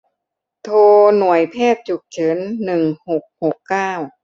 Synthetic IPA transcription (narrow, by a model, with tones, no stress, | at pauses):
t̪ʰoː˧nu˨˩əjpʰɛː˥˩t̪̚t͡ɕu˨˩k̚t͡ɕʰɤ˨˦nːɯ˨˩ŋho˨˩k̚ho˨˩kːaː˥˩w